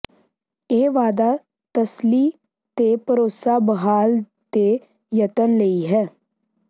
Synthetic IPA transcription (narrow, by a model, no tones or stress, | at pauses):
eːʋaːd̪aː | t̪əsliː | t̪eːpəɾoːsaːbəɦaːl | t̪eː | jət̪ənləiːɦɛː